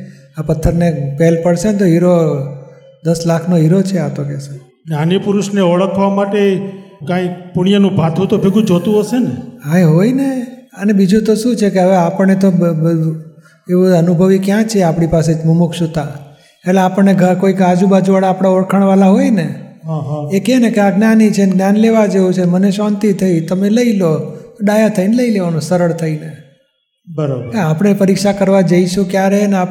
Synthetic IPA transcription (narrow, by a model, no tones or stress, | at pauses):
apət̪ʰːəɾnepɛlpəɽsent̪oɦiɾo | d̪əslakʰnoɦiɾot͡ʃʰeat̪okɛse | nanipʊɾuʃneɔɭəkʰʋamaʈekãipuɽ̃ijanũbʱat̪ʰũt̪obʱeɡũd͡ʒot̪ũɦoʃeneaeɦoineənebid͡ʒũt̪oʃũt͡ʃʰekeɦəʋeapəɳnet̪o | eʋuənubʱəʋikjãt͡ʃʰeapɽ̃ipaset̪mumukʃut̪ã | eʈleapəɳːeɡʱəkoikad͡ʒubad͡ʒuʋaɽaːpɽ̃aoɾkʰəɳ̃ʋalaɦojne | ɦaɦekenekeaɡnjanit͡ʃʰenɡnjanleʋad͡ʒeũt͡ʃʰeməneʃant̪it̪ʰəit̪əmeləilot̪oɖajat̪ʰəineləileʋanosəɾəɭt̪ʰəine | bəɾabəeapəɽɳ̃epəɾikʃakəɾʋad͡ʒəiʃũkjaɾeənea